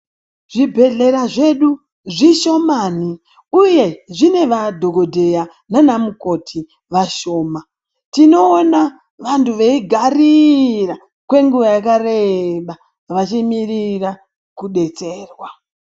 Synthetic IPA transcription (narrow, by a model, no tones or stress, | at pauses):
ʐ̥ibʱe̞ɮe̞ɾaʐe̞ɗu | ʐiʃo̞maːni | uje̞ʐine̞ʋadʱo̞ɡʱodʱe̞ja | nanamuko̞tʰi | ʋaʃo̞ːma | tino̞ːna | ʋantʰuʋeiɡʱarira | kwe̞ŋɡuʋajakareɓa | ʋat͡ʃimirira | kuɗe̞t͡seːrwa